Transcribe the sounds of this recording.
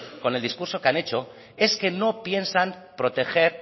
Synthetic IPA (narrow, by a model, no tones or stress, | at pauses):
ko̞ne̞ld̪iskuɾso̞keanet͡ʃo̞ | e̞ske̞no̞pje̞nsan | pɾo̞t̪e̞xe̞ɾ